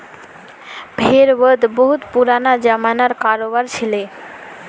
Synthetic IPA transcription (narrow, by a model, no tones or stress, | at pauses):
bʱeɾbəd̪ʱboɦut̪puɾanad͡ʑamanaɾkaɾobaɾt͡ɕʰile